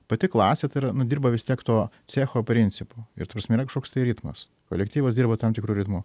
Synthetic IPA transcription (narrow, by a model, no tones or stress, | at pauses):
pɐt̪ʲɪklˠɑːsʲeːt̪ɐɪɾɐnʊd̪ʲiːɾbɐʋʲɪst̪ʲiɛkt̪oː | t͡sʲæːxoːpʲɾʲɪnʲt͡ssʲɪpoːɪ̰ɾt̪ɐpɾɐsmɛɪiːɾɐkɐʃkoːkst̪ɐɪɾʲɪt̪mɐ̰s | ko̰ːlʲɛkt̪ʲiːʋɐsd̪ʲiːɾbɐt̪ɐmt̪ʲɪkɾuːɾʲɪt̪muː